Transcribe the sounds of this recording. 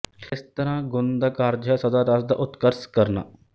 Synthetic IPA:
kʰɪst̪əɾãːɡʊnd̪aːkaːɾd͡ʒɦɛːsəd̪aːɾasd̪a̰ːʔʊt̪kəɾskəɾna̰ː

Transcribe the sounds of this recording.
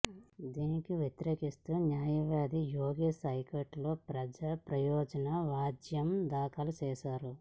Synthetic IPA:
d̪iːnikiʋjet̪iɾeːkist̪uːnjaːjɐʋaːd̪ijoːɡeːsɐjkɐʈlo̞ːpɾɐd͡ʒaːpɾɐjɔːd͡ʒɐnɐʋaːd͡ʒjɐmd̪aːkʰɐlut͡ʃɛːʃaːɾu

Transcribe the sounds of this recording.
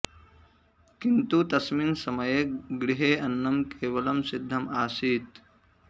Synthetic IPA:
kint̪ut̪ɐsminsɐmɐjeɡɾɪɦeːɐnːɐmkeːʋɐlɐmsɪd̪ʱːɐmaːsiːt̪

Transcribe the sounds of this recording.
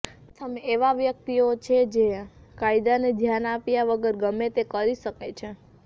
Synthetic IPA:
t̪ʰəmeeʋaʋjək̚t̪iot͡ʃʰed͡ʒekaid̪aned̪ʱjanapjaʋəɡəɾɡəmet̪ekəɾiʃəket͡ʃʰe

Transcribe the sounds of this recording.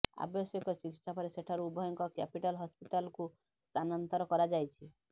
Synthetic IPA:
a̰bjɔsɔkɔsikitsʰapɔɾeseʈʰaɾuubʱɔjɔŋkɔkɛpiʈalɦɔspiʈalɔku | st̪anɔnt̪ɔɾɔkɔɾad͡ʒajt͡ʃʰi

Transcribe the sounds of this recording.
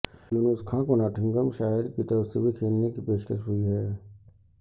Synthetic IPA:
juːnʊskʰãkonaːʈʰə̃ŋɡəmʃaːjəd̪kit̪əɾəfsebʱikʰeːlnekipeːʃkəʃɦʊiɦɛː

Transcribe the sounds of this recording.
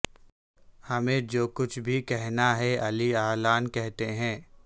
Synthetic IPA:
hɐmẽd͡ʒoːkʊt͡ʃʰbʱikɛɦnaɦɛʔɐliaːlaːnkɛɦt̪eɦɛ̃ː

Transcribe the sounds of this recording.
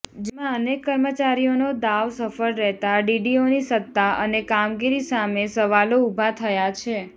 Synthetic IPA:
d͡ʒemãənekːəɾmət͡ʃaɾijonod̪aʋsəfəɾɾɛɦt̪aɖiɖionisət̪ːaʔə̰nekamɡiɾisamesəʋaloubʱat̪ʰəjat͡ʃʰe

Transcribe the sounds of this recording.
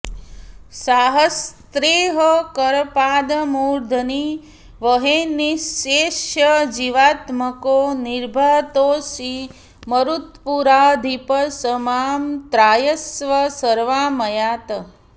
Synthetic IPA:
saːɦɐst̪ɾeːɦəkɐɾpaːd̪ɐmuːɾd̪ʱəni | ʋəɦeniseːʃjɐd͡ʒiʋaːt̪məkoːniɾbʱaːt̪oːsi | məɾut̪puɾaːd̪ʱipəsəmaːmt̪ɾaːjɐsʋɐsɐɾʋaːmɐjaːt̪ɐ

